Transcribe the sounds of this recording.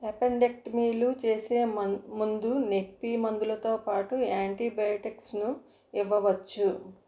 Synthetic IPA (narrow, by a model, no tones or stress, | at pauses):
ɐpeɳɖek̚ʈmiːlut͡ʃe̞ːseːmund̪unekpːiːmɐnd̪ulɐt̪o̞ːpaːʈuaːɳʈiːbɐjoʈiksnu | iʋːɐʋɐt͡ʃːu